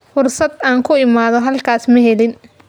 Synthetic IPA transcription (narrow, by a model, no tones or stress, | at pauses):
fʊrsɐd̪aːŋkʰʊɪmaːðɔɦɐlkʰaːsmɐɦɛlɪn